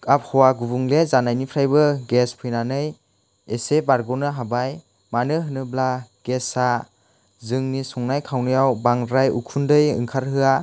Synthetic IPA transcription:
kap̚hɔwaɡubuŋlezanajnipʰɾajbɯɡespʰɯjnanɯj | esebaɾɡɔnɯɦabaj | manɯɦɯnɯblaɡ̥esa | zɯŋnisɔŋnajkʰawnɯjawbaŋɾajṵkʰundɯjɯ̰ŋkʰaɾhɯa

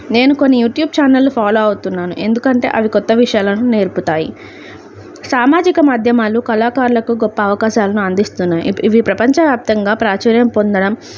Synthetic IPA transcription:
ne̞ːnukonːijuːʈjuːb̚t͡ʃaːnɐlːupʰaːloːɐwut̪unːaːnṵʔe̞nd̪ukɐɳʈe̞̰ːʔɐʋikɔt̪ːɐʋiʂɐjaːlɐnune̞ːɾput̪aːji | saːmaːd͡ʒikɐmaːd̪ʱjɐmaːlukɐlaːkaːɾulɐkuɡɔpːɐːʋɐkaːʃaːlɐnuɐnd̪ist̪unːaːjḭiʋipɾɐpɐɲt͡ʃɐʋjaːp̚t̪ɐŋɡaːpɾaːt͡ʃɐːɾjɐmpo̞nd̪ɐɽɐm

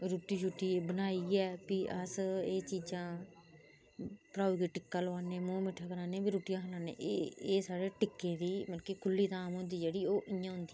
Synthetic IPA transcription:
ɾuːʈiːʃuːʈːiːbənaːiːɛːpiʔəseːt͡ʃiːd͡ʒãː | pəɾaːuːkiːʈɪkːaːlaːneːmõːmɪʈʰːaːkəɾaːnẽbiːɾuːʈɪjãːkʰlaːnḛ̃ːʔeeːsaːɾeːʈɪkːẽːd̪iːmənkekʰʊlːiːt̪ãːmɦʊ̃nd̪iːd͡ʒeːɽiːoːʔɪjãːɦʊ̃nd̪iː

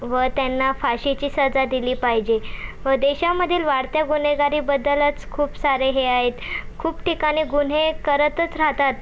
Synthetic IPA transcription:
ʋət̪janːafaɕit͡ɕiːsəd͡zad̪iliːpaɦid͡ʑeʋəd̪eɕaməd̪ʱːiːlʋaɽt̪jaɡun̤eɡaɾiːbəd̪ːələt͡skʰuːpsaɾeɦeaɦet̪kʰuːpʈikaɽ̃iːɡuɳ̤ekəɾət̪ət͡sɾaɦt̪at̪

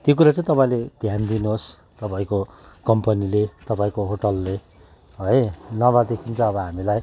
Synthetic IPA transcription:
t̪jokuɾat͡sãĩt̪ʌpaĩled̪ʱjand̪inuɦos | t̪ʌpaĩkokʌmpʌnilet̪ʌpãĩkoɦoʈʌlːe | ɦʌjnʌβad̪ekʰint͡sʰʌːbʌɦamilaj

